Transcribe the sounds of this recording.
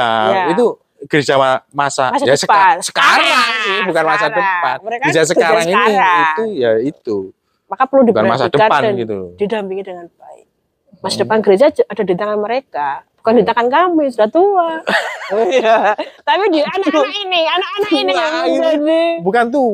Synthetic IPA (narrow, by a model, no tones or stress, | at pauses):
ajait̪u | ɡ̥əɾed͡ʒaamasamasad͡ʒasəpansə̥kaɾaŋsɪbukanmasadəpanməɾekaed͡ʒas̬əkaɾaŋiniit̪ujait̪u | makapərludika̰ma̰sadəapandaɡit̪ṵd̥idampiŋidəŋanbaɪ̰k̚ | masadəpanɡəɾed͡ʒaadadint̪aŋanməɾekab̥ukandint̪akankamɪsudaht̪ua | jat̪apidianaduinɪanaininiaidibukant̪̬u